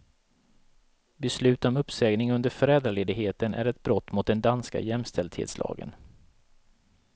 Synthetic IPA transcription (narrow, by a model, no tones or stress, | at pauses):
bɛslʉ̟ːt̪ɔmɵpsɛːɡnɪŋɵnd̪əɾfœɾɛːd̪ɾaleːd̪ɪɡɦheːt̪ənʔæ̰ɾɛt̪̚bɾɔt̪ːmʊt̪̚d̪ɛnd̪anska̰jɛmst̪ʰɛld̪hḛːt̪slɑ̰ːɡə̰n